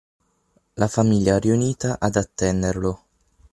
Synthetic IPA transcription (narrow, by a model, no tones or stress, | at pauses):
lafamiʎjaɛriuniːt̪aʔad̪at̪ːɛnːerlo